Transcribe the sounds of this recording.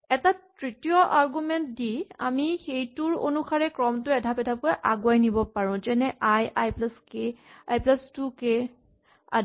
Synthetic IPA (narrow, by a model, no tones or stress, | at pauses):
ɛtatɹitijɔʔaɹɡumɛntdia̰mixejtuɹo̰nuxaɹɛkɹɔmtʊɛdʱapɛdʱap̚kojʔaɡwajnibɔpaɹʊ̃zɛnɛʔajajplaskeajplastuke | a̰